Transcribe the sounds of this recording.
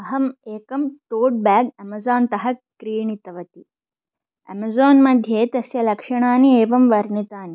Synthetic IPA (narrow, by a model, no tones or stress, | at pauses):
ɐɦɐmeːkɐmʈoːɖ̚baːɡɐmɐzaːnt̪ɐɦɐkɾiːɳit̪ɐʋɐt̪i | ɐ̰mɐzoːnmɐd̪ʱjeːt̪ɐsjɐlɐkʂɐɳaːnieːʋɐmʋɐɾnit̪aːni